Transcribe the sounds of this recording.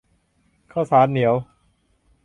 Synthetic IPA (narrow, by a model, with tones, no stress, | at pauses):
kʰaː˥˩wsaː˩˦˥nːi˩˦əw